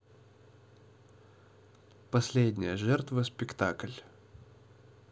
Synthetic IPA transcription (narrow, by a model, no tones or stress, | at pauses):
pɐsʲlʲedʲnʲɪjəʐɛrt̪vəspʲɪkt̪a̰klʲ